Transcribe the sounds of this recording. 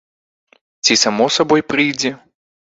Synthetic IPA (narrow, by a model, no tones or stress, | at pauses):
t͡sʲisamɔsabɔjpɾɨjd͡zʲɛ